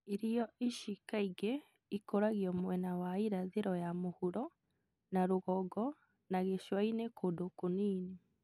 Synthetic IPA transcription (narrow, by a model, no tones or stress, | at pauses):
iɾijɔʔiʃikaiɡe | ikoɾaɣjɔmwɛnawaiɾaðeɾɔjamohuɾɔ | naɾoɣɔɡɔ | naɣeʃwainekʰodokoniːne